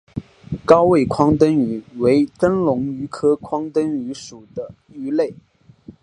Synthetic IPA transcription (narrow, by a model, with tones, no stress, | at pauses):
kɑ˥ʊwe˥˩ɪkʰwɑ˥ŋt̪ə˥ny˨˩we˧˥ɪʈ͡ʂə˥nlʊ˧˥ŋy˧˥kʰɤ˥kʰwɑ˥ŋt̪ə˥ny˧˥ʂu˨˩d̪ə˦ | y˧˥le˥˩ɪ